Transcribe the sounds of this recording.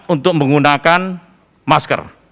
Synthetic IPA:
t̪̚unt̪ʊk̚məŋunakan | maskə̰r

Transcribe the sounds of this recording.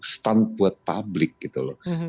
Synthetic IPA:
st̪ant̪̚buat̪̚pablɪk̚ɡit̪ulɔ

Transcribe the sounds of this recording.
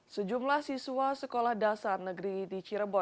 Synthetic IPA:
səd͡ʒumlahsiswasəkolahdasarnəɡɾit̪it͡ʃiɾəbɔ

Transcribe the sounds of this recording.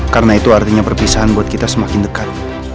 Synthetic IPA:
karənait̪uart̪iɲapərpisaɦanbuat̪̚kit̪asəmakɪndəkat̪̚

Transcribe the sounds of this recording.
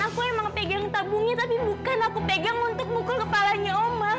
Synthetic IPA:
akuemaŋpeɡaŋt̪abuŋɲat̪apibukanakupeɡaŋunt̪ʊk̚mukʊlkəpalaɲaoma

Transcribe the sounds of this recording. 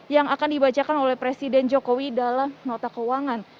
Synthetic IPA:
jaŋakandibat͡ʃakanolɛhpɾesidɛnd͡ʒokowidalamnot̪akəwaŋan

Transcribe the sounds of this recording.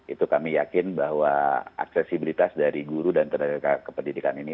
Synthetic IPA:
ʔit̪ukamijakɪnbaɦwaa̰ksɛsibilit̪asdaɾiɡuɾudant̪ədaɡaɡakəpəndidikanini

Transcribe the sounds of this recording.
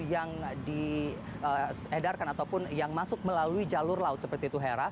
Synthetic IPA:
jaŋdi | ə | edarkanat̪awpʊnjaŋmasʊk̚məlaluid͡ʒalʊrlaʊt̪səpərt̪iːt̪uɦeɾa

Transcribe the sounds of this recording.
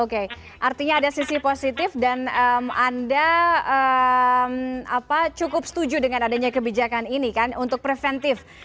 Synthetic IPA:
oke | ʔart̪iɲaːdasisiposit̪ɪfdanəmandaəmapat͡ʃukʊpsə̥t̪ud͡ʒudəŋanadaɲakəbid͡ʒakaninikanunt̪ʊk̚pɾefɛnt̪ɪf

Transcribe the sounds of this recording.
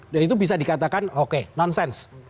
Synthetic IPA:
dait̪ubis̬adikat̪akanokenɔnsɛns

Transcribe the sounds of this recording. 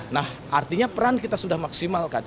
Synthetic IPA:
nahʔart̪iɲapəɾankit̪asudahmaksimalkan

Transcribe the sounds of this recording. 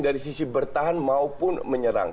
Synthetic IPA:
daɾisisibərt̪aɦanmaupʊnməɲəɾa̰ŋ

